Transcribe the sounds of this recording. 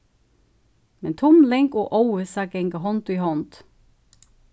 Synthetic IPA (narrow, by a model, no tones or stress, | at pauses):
mɛnt̪ʰʊmlɛŋkoːʔowəsɑːɡɛŋɡəɦɔnt̪ʊiːhɔnt̪